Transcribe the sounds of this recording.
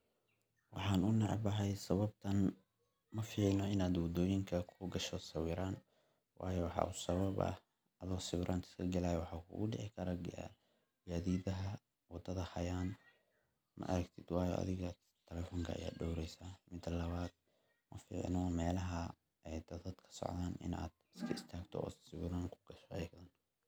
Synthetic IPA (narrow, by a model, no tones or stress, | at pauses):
wɑħɑːnʊnɑʕɑ̰bɐɦɛjsɐβɐb̚t̪ʰɐn | mɐfiːʕnɔɪnaːd̪wɔd̪ɔːjɪŋkʰɐkʰʊɡɐʃɔsɐwiːɾaːn | wʔɑ̰ːjɔwɑħɑ̰ːʊsɐβɐβɐ̰h | ɐðɔsɐwɪɾʔaːnt̪ʰɪ̥skʰɐɡɐlaːjɔwħɑːkʰʊ̰ːɣʊɖɛʕɪkʰɐɾɐɡ̰ | ɡaːðiːðɐɦɐ | wɑd̪ɐðɐhɐjaːn | mʔɐ̰ʔɐɾɐɡt̪ʰid̪̥wɑːjɔ̰ɐ̰ðɪɣɐ | t̪ʰːɛlɛːfɔːŋkʰɐɐ̰ja̰ːɖɔwɾɛjsaːmɪd̪ɐlɐβaːd̪̥ | mɐfḭːʕnɔmɛːlɐɦɐ | ʔɛjd̪ɐðɐd̪kʰɐ̥sɔ̰ʕðaːnɪ̰na̰ːd̪ɪskʰɐɪst̪ʰaːɡt̪ʰɔ̰ʔːsɪwɪɾaːŋkʰʊ̥ɡ̥ɐʃɔʔɛjkðɐn